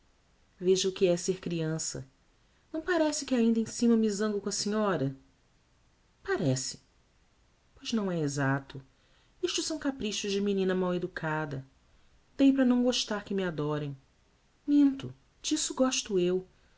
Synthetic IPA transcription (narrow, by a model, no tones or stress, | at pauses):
veʒɐʊkɪɛseɾkɾiɐ̃sɐ̰ | nɐ̃w̃paɾɛsɪkɪaĩnd̪ɐẽsĩmɐmizɐ̃ŋɡʊkõɐsiɲɔɾɐ | paɾɛsɪ̥ | pojznɐ̃w̃ɛezat̪ʊ | iʃt͡ʃʊsɐ̃w̃kapɾiʃʊzd͡ʒɪminĩnɐmawed̪ukʰad̪ɐ | d̪̥ejpɾɐnɐ̃w̃ɡoʃt̪aɾkɪmɪad̪ɔɾẽj̃ | nĩnt̪ʊ | d͡ʒisʊɡɔʃt̪ʊew